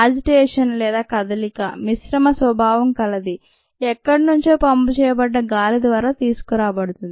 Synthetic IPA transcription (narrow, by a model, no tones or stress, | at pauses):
aːd͡ʒiʈeːʂɐnlɛːd̪aːkɐd̪ɐlikɐ̰misɾɐmɐsʋɐbʱaːʋɐmkɐlɐd̪i | ɛkːɐɽinuɲt͡ʃeːpɐmput͡ʃɛːjɐbɐɖːɐɡaːlid̪ʋaːɾaːt̪iːsu̥kuɾaːbɐɽut̪und̪i